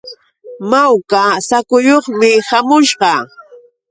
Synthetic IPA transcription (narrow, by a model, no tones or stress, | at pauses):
mawkasakʊjoχmɪhamʊʃɢɑ